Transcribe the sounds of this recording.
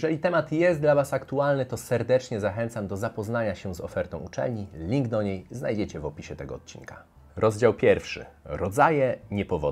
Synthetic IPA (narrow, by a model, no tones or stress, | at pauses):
jɛʐɛlʲit̪ɛmat̪jɛst̪̚d̪lavasakt̪ualnɘt̪ɔsɛɾd̪ɛt͡ʂɲɛzaxɛnt̪samd̪ɔzapɔznaɲaɕɛzɔ̰fɛɾt̪ɔ̃w̃ut͡ʂɛ̰lɲilʲiŋɡd̪ɔɲejznajd͡ʑɛt͡ɕɛvɔpʲiɕɛt̪ɛɡɔːt̪̚t͡ɕḭnkʰḁ | ɾʔɔzd͡ʑawpʲjɛɾfʂɘ̰ɾɔd̪zajɛɲɛpɔvɔd̪